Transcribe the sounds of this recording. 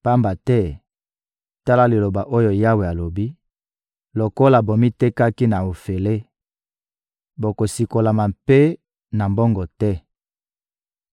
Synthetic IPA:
pa˦mba˨tɛ˦ | ta˦la˦li˨lo˨ba˨ʔo˦jo˨ja˦we˨a˨lo˨bi˦ | lo˨ko˦la˨bo˨mi˦te˦ka˦ki˦na˨o˨fe˨le˦ | bo˨ko˨si˨ko˨la˨ma˨mpe˦ | na˨mbɔ˦ŋɡɔ˨tɛ˦

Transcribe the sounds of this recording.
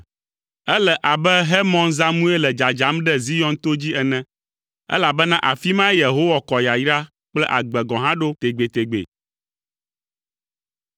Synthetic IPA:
ɛ˦lɛ˨ʔa˨bɛ˦ɦɛ˦mɔ̃˦nza˦mũ˦e˦lɛ˨d͡ʒa˨d͡ʒa˨˦mɖɛ˦zi˦jɔ̃˦nt̪o˦d͡ʑi˦ɛ˨nɛ̃˦ | ɛ̰˦la˨bɛ˦nã˦ʔa˨fi˦mã˦je˨ɦo˦wa˨kɔ˨ja˨jɾa˦ | k͡plɛ˦ʔa˨ɡ͡bɛ˨ɡɔ̃˨ɦã˦ɖo˦t̪e˨ɡ͡be˨t̪e˨ɡ͡bḛ˨

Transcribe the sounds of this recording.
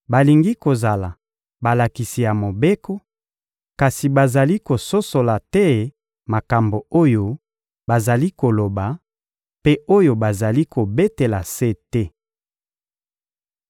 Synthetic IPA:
ba˨li˨ŋɡi˦ko˨za˨la˨ | ba˨la˨ki˨si˨ja˨mo˨be˦ko˦ | ka˨si˨ba˨za˨li˦ko˨so˦so˨la˨tɛ˦ | ma˨ka˨mbo˨o˦jo˦ | ba˨za˨li˦ko˨lo˨ba˨ | pe˦o˦jo˨ba˨za˨li˦ko˨be˦te˨la˨se˦tɛ˦

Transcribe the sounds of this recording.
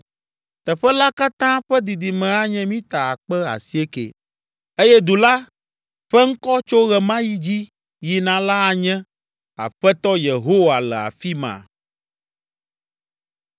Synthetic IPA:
t̪ɛ˨ɸɛ˦la˦ka˦t̪ã˦ɸɛ˦d̪i˨d̪i˨mɛ̃˨a˦ɲɛ̃˦mĩ˦t̪a˨a˨k͡pɛ˦a̰˨si˦e˦kḛ˨ | e˦jɛ˦d̪u˨la˦ | ɸɛ˦ŋ̩˦kɔ˦t͡ʃo˦ɣɛ˨mã˦ji˦d͡ʑi˦ | ji˨nã˨la˦a˨ɲɛ̃˦ | a̰˨ɸɛ˦t̪ɔ˦je˨ɦo˦wa˨lɛ˨a̰˨fi˦mã̰˨

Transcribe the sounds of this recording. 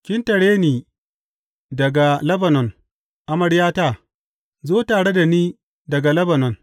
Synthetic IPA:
kʲɪ˦ntɐ˨ɽeː˦niː˨ | dɐ˨ɡa˨lɐ˦bɐ˨nɔ˨n | ʔa˨mɐ˨ɽjaː˦taː˦˨ | zoː˦taː˨ɽe˦da˨niː˦ | dɐ˨ɡa˨lɐ˦bɐ˨nɔ˨n

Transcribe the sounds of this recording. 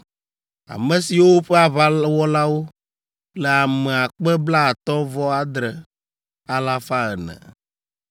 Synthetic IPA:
a̰˨mɛ̃˨si˨wo˦ɸɛ˦a˨βa˦wɔ˦la˦wo˦ | lɛ˨a˨mɛ˨a˨k͡pɛ˦bla˦a˨t̪ɔ̃˦vɔ˦a˨d̪ɾɛ˨ | a˦la˦fa˦ɛ˨nɛ̰̃˨

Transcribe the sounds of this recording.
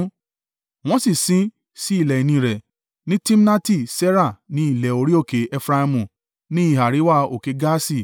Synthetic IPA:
w̃ɔ̃˦si˦˨sĩ˨˦ | si˦i˦˨lɛ˨i˨nĩ˧˨ɾɛ˨ | nĩ˦ti˦m˦na˦ti˦˨sɛ˦ɾa˦˨nĩ˨˦i˦˨lɛ˨o˧ɾi˦o˦˨ke˨˦ʔɛ˦fɾa˦i˧mũ˨ | nĩ˦i˦˨ɦa˨ɾi˨˦wa˦o˨ke˨˦ɡa˦si˦˨

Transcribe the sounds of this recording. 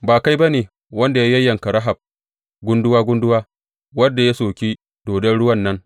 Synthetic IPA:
baː˨ka˦jba˦neː˨ | wɐ˦nda˨ja˦jɐ˦jːɐ˨ŋka˨ɽɐ˦ɦa˨b̚ | ɡʷʊ˦ndʊ˦waː˦ɡʷʊ˦ndʊ˦waː˦ | wɐ˦dːa˨ja˦soː˨kʲi˦ | d̥oː˨dɐ˦nɽʊ˦wɐ˦nːɐ˦ŋ

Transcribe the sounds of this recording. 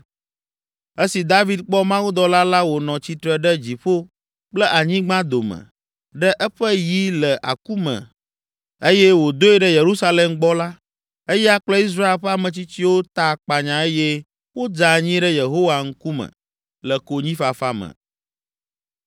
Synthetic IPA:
e˦si˨d̪a˦vi˨d̪̚k͡pɔ˦mã˦wu˦d̪ɔ˦la˦la˦wo˨nɔ̃˨t͡ɕi˦t̪ɾə˨ɖə˦d͡ʑi˨ɸo˦ | k͡plə˦ʔa˨ɲĩ˦ɡ͡bã˦d̪o˨mə̰̃˨ | ɖə˦ʔɛ˦ɸə˦ji˦lə˨ʔa̰˨ku˦mə̰̃˨ | e˦jɛ˦wo˨d̪o˦ɛ˦˨ɖə˦je˨ɾu˦sa˦le˨mɡ͡bɔ˦la˦ | e˦jɛ˦a˦k͡plɛ˦i˦s̬ɾa˦e˨lɸa˦mə̃˨t͡ɕi˦t͡ɕi˦wo˦t̪a˦˨k͡pa˨ɲã˨e˦jɛ˦ | wo˦d͡ʒa˨ɲĩ˦ɖə˦je˨ɦo˦wa˨ŋ̩˦ku˦mə̰̃˨ | lə˨ko˨ɲĩ˦fa˨fa˦mə̰̃˨

